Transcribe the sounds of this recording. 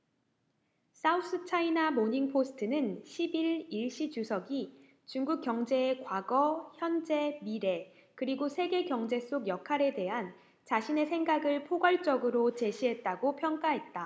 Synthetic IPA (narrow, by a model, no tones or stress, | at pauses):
s͈aus͈ɯt͡ɕʰainamoɲiŋpʰosʰɯ̥tʰɯnɯnɕʰibiɭiɭɕ͈it͡ɕusʰʌɡi | t͡ɕuŋɡuk͈̚jʌŋd͡ʑe̞ːkwaɡʌçjʌnd͡ʑe̞miɾe̞ | kɯɾiɡosʰe̞ɡe̞kjʌŋd͡ʑe̞s͈ʰoɡjʌkʰaɾe̞de̞ɦan | t͡ɕaɕʰine̞sʰe̞ŋɡaɡɯɭpʰoɡwaɭt͡ɕ͈ʌɡɯɾot͡ɕe̞ɕʰiɦe̞t̚t͈aɡopʰjʌŋk͈aɦe̞t̚t͈a